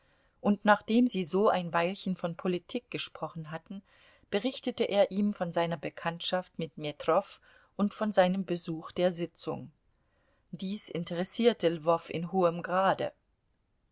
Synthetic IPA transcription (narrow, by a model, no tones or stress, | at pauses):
ʔʊntnaːχd̥eːmziːzoːʔaɪnvaɪlçənfɔnpʰolitʰiːk̚ɡ̥əʃpʁ̥ɔχn̩ɦatn̩ | b̥əʁɪçtətəʔeːɐʔiːmfɔnzaɪnɐbəkʰantʃaftmɪtmetʁ̥ɔf | ʔʊntfɔnzaɪnəmbəzuːxd̥eːɐzɪt͡sʊ̰ŋ | d̥iːsʔɪntəʁɛsiːɐtʰəlvɔfɪ̰nɦoːəmɡʁaːdə̰